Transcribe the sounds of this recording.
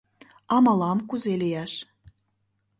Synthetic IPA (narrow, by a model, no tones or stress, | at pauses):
ɑmɑlˠɑmkuzelʲejæʃ